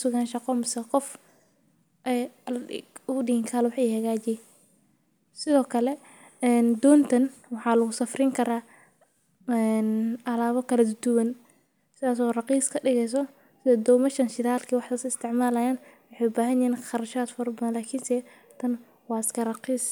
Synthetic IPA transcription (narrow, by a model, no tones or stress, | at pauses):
ʊsʊɣaːnʃɑqɔmɪsɛqɔf | ʔɛj | ʊɗɪhɪːŋkʰaːlwɑħɛːhɐɣaːt͡ʃɛ | sɪðɔːkʰɐlɛ | ɛnd̪ɔːnt̪ʰɐnwɑħɑːlɐɣʊsɐfriŋkʰɐɾaː | ɛnʔɐlaːβɔkʰɐlɐd̪ʊd̪ʊwɐn | sɪðaːs̬ɔːrɑqiːskʰɐɖɪɣɛjs̬ɔ | sɪɛd̪ɔːmɐʃɐnʃɪðaːlkʰiːwɑħt̪asɪst̪ʰɪʕmaːlɐjaːnwɑħɛjʊbaːɦɐnjɛɪnχɑɾɐʃaːd̪fɔɾɐbɐðɐnlaːkʰinsɛ | t̪ʰɐn | wɑːskʰɐrɑqiːs